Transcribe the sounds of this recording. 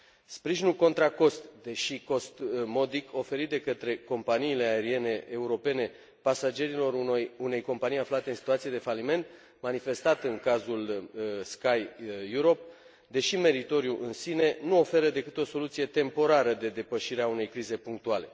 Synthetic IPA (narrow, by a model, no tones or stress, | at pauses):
spɾiʒinulko̞nt̪ɾako̞st̪d̪e̞ʃiko̞st̪mo̞d̪iko̞fe̞ɾit̪̚d̪e̞kət̪ɾe̞ko̞mpaniːle̞ae̞ɾie̞ne̞ʔːuɾo̞pe̞ne̞ | pasad͡ʒe̞ɾilo̞ɾune̞jko̞mpanijaflat̪e̞ɨnsi̥t̪uat̪sije̞d̪e̞falime̞nt̪ | manife̞st̪at̪ɨŋkazulskajːuɾo̞p̚ | d̪e̞ʃime̞ɾit̪o̞ɾijuʔɨnsine̞nuo̞fe̞ɾəd̪e̞kɨt̪o̞so̞lut̪sije̞t̪e̞mpo̞ɾaɾəd̪e̞d̪e̞pəʃiɾeaunejkɾize̞puŋk̚t̪uale̞